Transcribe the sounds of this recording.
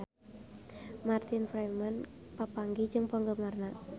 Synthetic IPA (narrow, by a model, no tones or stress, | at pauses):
mart̪ɪnfɾamanpapaŋɡi̥d͡ʒɨŋpɔŋɡəmarna